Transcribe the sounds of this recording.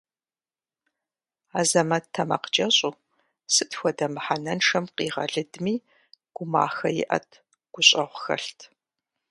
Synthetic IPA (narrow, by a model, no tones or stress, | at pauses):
aːzɐmɐttʰːɐmɐ̰qd͡ʒʼɐɕʼuː | sɨtxʷɔdɐmħanɐnʂɐmqiːʁɐ̰ɮɨdmiː | ɡ̥ʷʊma̰ːxɐjɪ̰ʔɐ̰tʰ | ɡ̥ʷʊɕʼɐʁʷʊxɐ̰ɬtʰ